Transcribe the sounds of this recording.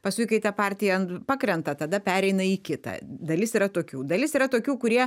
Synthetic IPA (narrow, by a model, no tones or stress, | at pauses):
pɐskʊɪkɐɪt̪ɐpɑːɾʲt̪ʲɪjɛɐnt̪pɑːkɾʲɛnt̪ɐt̪ɐd̪ɐpʲæːɾʲɛɪnɐiːkʲɪt̪ɐ̰d̪ɐlʲɪsiːɾɐt̪oːkʲuːd̪ɐlʲɪsiːɾɐt̪oːkʲuːkʊɾʲiɛ